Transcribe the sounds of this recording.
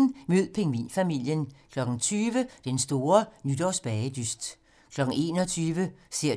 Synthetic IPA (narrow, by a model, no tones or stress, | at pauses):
nmøð̰ˠpʰe̝ŋʋḭːnfæmil̰jənkʰlɒ̽ɡ̥n̩t͡sʰyːʋəd̥ensd̥o̝ːɐnyd̥ɒʊsb̥ɛɪəd̥ysd̥ | kʰlɒ̽ɡ̥n̩e̝̰ːnɒ̽t͡sʰyːʋəse̝ɐ̰